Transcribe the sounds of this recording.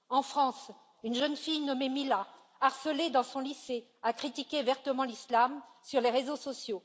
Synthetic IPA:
ɑ̃fχɑ̃s | ynʒənfijnɔmemila | aʁsəled̪ɑ̃sɔ̃lise | akχit̪ikʲevɛʁt̪əmɑ̃lislamsyʁleʁezosɔsjo

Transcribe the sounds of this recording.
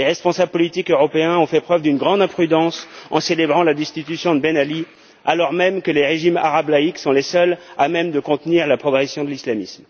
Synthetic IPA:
leʁɛspɔ̃sablpɔlit̪ikøʁɔpeɛ̃ɔ̃fɛpχœvd̪ynɡʁɑ̃d̪ɛ̃pχyd̪ɑ̃sɑ̃selebʁɑ̃lad̪ɛst̪it̪ysjɔ̃d̪əbenali | alɔʁmɛmkəleʁeʒima̰ʁablaiksɔ̃lesœlamɛmd̪əkɔ̃t̪niʁlapχɔɡʁɛsjɔ̃d̪əlislamism

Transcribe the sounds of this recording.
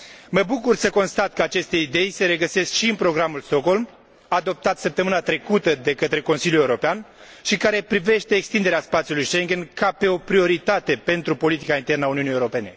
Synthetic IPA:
məbukursəko̞nst̪at̪kəat͡ʃe̞st̪e̞id̪e̞jse̞ɾe̞ɡəse̞skʃiɨnpɾo̞ɡɾamulst̪o̞kɦo̞lm | ad̪o̞p̚t̪at̪səp̚t̪əmɨnat̪ɾe̞kut̪əd̪e̞kət̪ɾe̞ko̞nsiljule̞uɾo̞pean | ʃikaɾe̞pɾive̞ʃt̪e̞ːkst̪ind̪eeaspat̪sijulujʃe̞ŋɡʲenkape̞o̞pɾio̞ɾit̪at̪e̞pe̞nt̪ɾupo̞lit̪ikaint̪e̞rnəauniunijewuɾo̞pe̞ne̞̰

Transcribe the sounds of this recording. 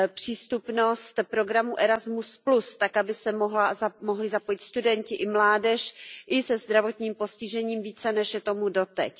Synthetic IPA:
pr̝̥iːst̪upno̞st̪pɾo̞ɡɾamuʔɛɾazmusplust̪akabɪsɛmoɦlazamoɦlɪzapojɪt̪st̪udɛɲcɪʔɪmlaːdɛʃʔɪsɛzd̪ɾavo̞t̪ɲiːmpo̞scɪʒɛɲiːmviːt͡sɛnɛʃjɛt̪o̞mudo̞t̪ɛc

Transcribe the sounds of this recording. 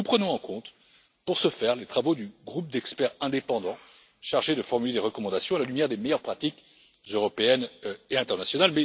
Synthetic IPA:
nupχənɔ̃ɑ̃kɔ̃t̪ | puʁsəfɛʁlet̪χavod̪yɡʁup̚d̪ɛkspɛʁɛ̃d̪epɑ̃d̪ɑ̃ | ʃaʁʒed̪əfɔʁmyled̪eʁəkɔmɑ̃d̪asjɔ̃alalymjɛʁd̪emejœʁpχat̪ik | zøʁɔpeɛneɛ̃t̪ɛʁnasjɔnalmɛ

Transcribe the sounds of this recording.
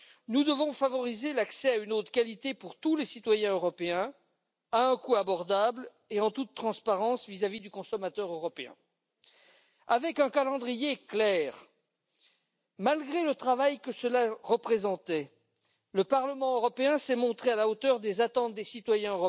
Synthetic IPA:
nud̪əvɔ̃favɔʁizelaksɛaynot̪χkalit̪epuʁt̪ulesit̪wajɛ̃øʁɔpeɛ̃ | aɛ̃kuabɔʁd̪abl | eɑ̃t̪ut̪ːχɑ̃spaʁɑ̃svizavid̪ykɔ̃sɔmat̪œʁøʁɔpeɛ̰̃ | avɛkɛ̃kalɑ̃d̪ʁijeklɛːʁ | malɡʁelət̪χavajkəsəlaʁəpχezɑ̃t̪ɛ | ləpaʁləmɑ̃øʁɔpeɛ̃sɛmɔ̃t̪χealaot̪œʁd̪ezat̪ɑ̃t̪̚d̪esit̪wajɛ̃øʁɔ

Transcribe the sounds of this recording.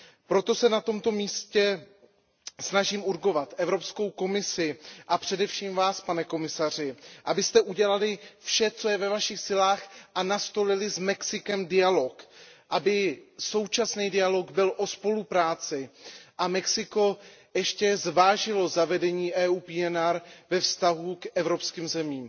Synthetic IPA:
pɾo̞t̪o̞sɛnat̪o̞mt̪o̞miːscɛ | snaʒiːmuɾɡo̞vat̪ʔɛvɾo̞psko̞wko̞mɪsɪʔapr̝̥ɛdɛfʃiːmvaːspanɛko̞mɪsar̝ɪʔabɪst̪ɛʔuɟɛlalɪfʃɛt͡so̞jɛvɛvaʃɪxsɪlaːxʔanast̪o̞lɪlɪzmɛksɪkɛmdɪjalo̞kʔabɪso̞wt͡ʃasniːdɪjaloɡbɪlʔo̞spo̞lupɾaːt͡sɪʔamɛksɪko̞jɛʃcɛzvaːʒɪlo̞zavɛdɛɲiːʔɛːuːpiɛnaɾvɛfst̪aɦukʔɛvɾo̞pskiːmzɛmiːm

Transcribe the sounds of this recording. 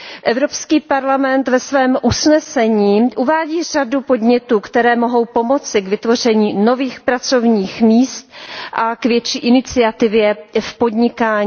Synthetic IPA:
ʔɛvɾo̞pskiːpaɾlamɛnt̪vɛsvɛːmʔusnɛsɛɲiːʔuvaːɟiːr̝̥adupo̞dɲɛt̪uːkt̪ɛɾɛːmo̞ɦo̞wpo̞mo̞t͡sɪɡvɪt̪vo̞r̝ɛɲiːno̞viːxpɾat͡so̞vɲiːxmiːst̪̚ʔakvjɛt͡ʃiːʔɪnɪt͡sɪat̪ɪvjɛfpo̞dɲɪkaːɲː

